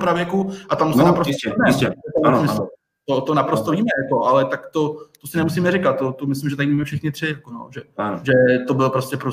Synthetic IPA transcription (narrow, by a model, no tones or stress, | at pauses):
pɾavjɛkuʔat̪amsɛnapɾosɛnɛɛɛt̪aamɪs | t̪ot̪onapɾost̪oviːmɛjako̞ʔalɛt̪akt̪ot̪osɪnɛmusiːmɛrɪkat̪ːot̪omɪslɪmʒɛt̪ajmamɛfʃɛxnɪt̪r̥ɪjakono̰ʒɛʒɛt̪obɪlpɾoscʲɛpɾo